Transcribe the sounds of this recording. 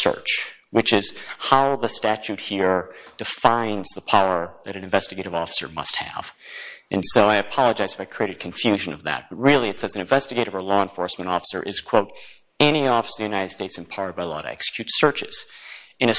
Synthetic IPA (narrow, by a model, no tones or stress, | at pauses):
sɜ̰˞t͡ʃ | wɨt͡ʃɪz̥haʊðəstæt͡ʃʉt̚hiɹd̥ɨfãɪ̃nzðəpʰaʊə˞ðɨɾɨ̃nɨ̃ɱvɛstɨɡeɪɾɨvɔfə̥sə̰˞mʌ̰st̚hɨ̰v̥ʔɨ̰̃nsoʊaɪɨpʰɑlˠəd͡ʒaɪz̥ɨfaɪkʰɹ̥ieɪɾɨd̚kʰɨ̃ɱfjʉʒɨ̃nʌvðɨ̰t̚b̥ʌt̚ɹɪlˠiɨtsɛzn̩ɨ̃ɱvɛstɨɡeɪɾɨvə˞lɔə̃nfɔɹsmɨ̃ɾ̃ɔfə̥sə̰˞ʔɨz̥kʰw̥oʊɾ | ɛñiɔfəsə˞ðjʉnaɪɾɨd̥steɪtsɨ̃npʰaʊə˞d̚baɪlɔ̰ɾɨ̰ɛ̰ksɨ̥kʰj̥ʉtsɜ˞t͡ʃɨz̥ɨ̃ñɨ